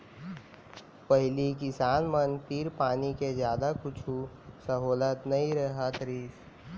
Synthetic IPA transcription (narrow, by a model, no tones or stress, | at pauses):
pəɦlikɪsaːnmənp̪iːɾpaːniked͡ʒjaːd̪akʊt͡ʃʰu | səɦoːlət̪nəĩɾəɦat̪ɾiːs